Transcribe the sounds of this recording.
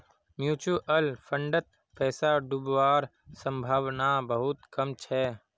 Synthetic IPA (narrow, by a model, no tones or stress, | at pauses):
mjuːt͡ʃuʔəlpʰə̃ɳɖət̪̚ | pɛːsaɖʊbʋaːɾ | sə̃mbʱaːʋnabəɦʊt̪kəmt͡ʃʰɛː